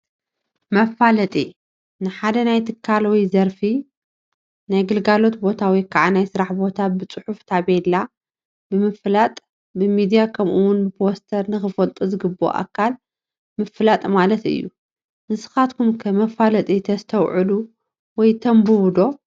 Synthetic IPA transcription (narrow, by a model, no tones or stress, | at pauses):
mɐfalɐt̪ʼi | nɨħad̪ɐnajt̪ʰɨkʰːalwɔjzɐɾfi | najɡɨlɡalo̞t̪bo̞t̪ʰawikʰaʕanajsɨɾaħbo̞t̪ʰabɨt͡sʼɨħuft̪ʰaβela | bɨmɨflat̪ʼ | bɨmid̪ijakʰɐmʔuwʊnbɨpʰo̞st̪ʰɐɾnɨxɨfɐlt̪ʼuzɨɡɨbːo̰ʔa̰kʰːal | mɨflat̪ʼmalɐt̪ɨ̰jːu | ʔɨsɨ̥xat̪kʰumkʰɐmɐfalɐt̪ʼit̪ʰɐst̪ʰɐwʕɨlu | wɔjt̪ʰɐmbɨwd̪o̞